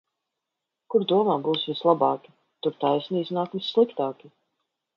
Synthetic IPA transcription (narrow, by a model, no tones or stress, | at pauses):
kuɾd̪uɔmaːbuːsvʲislˠabɑːkʲi̥ | t̪uɾt̪ajsniiznaːkvisːlˠikt̪aːkʲi